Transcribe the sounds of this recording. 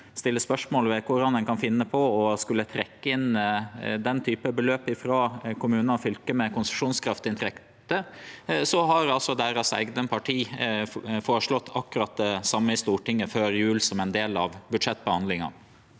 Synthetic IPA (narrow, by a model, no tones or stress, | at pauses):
st̪ɪlːəspœʂmoːlʋɛkʰʊɾɑnd̪ɛnkɑnfɪnːəpʰɔɔskʉlːət̪ʰɾɛkːəɪn | d̪ɛnt̪ʰyːpəbəløːpɪfɾɑːkʰʊmʉːnfʏlkəmɛkʊnsə̥ʂuːnskʰɾɑft̪ɪnt̪ʰɾɛkt̪əsɔɦɑɾɑlsɔd̪æɾɑsæ̰ɪɡnəpʰɑʈʰiː | foːɾəʂɭɔt̪ːʰɑkːʉɾɑt̪ːsɑmːəɪst̪uːʈɪŋːəføːɾjʉːlsɔmɛnd̪eːlɑʋbʉd̪ʂɛt̪̚ːbəhɑnlɪŋɑ̰